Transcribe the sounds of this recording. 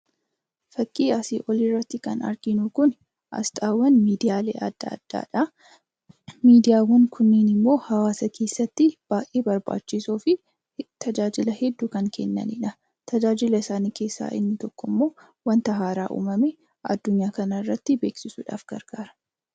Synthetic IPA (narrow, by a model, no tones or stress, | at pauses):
fɐkʼːiːɐsiʔɔlirːɐt̪ːɪkɐnɐ̰ɾɡɪnukʊn | ʔɐ̰st̪ʼaːwɐnmiːd̪ɪjaːlḛːʔɐd̪̥ːa̰ːd̪̥ːa̰ːᶑɐ | miːd̪ɪjaːwɐŋkʰʊnːiːnɪmːo̞ːhɐwaːsɐkʰe̞ːsːɐt̪ːɪb̥aːkʼeːbɐɾba̰ːt͡ʃːɪsuːfɪ | t̪ʰɐd͡ʒaːd͡ʒɪlɐhɛd̪ːuːkɐŋkʰɛnːɐ̰nɪᶑɐ | t̪ɐd͡ʒaːd͡ʒɪlɐɪsaːniːke̞ːsːa̰ːʔɪ̰nːɪt̪ɔkːɔmːo̞ː | wɐnt̪ɐɦaːɾaːʔṵːmɐmɛ | ʔɐ̰d̪ːʊɲːaːkɐnɐɪrːɐt̪ːɪbe̞ːksɪsṵːᶑa̰ːfɡ̥ɐ̰ɾɡ̥aːɾɐ̥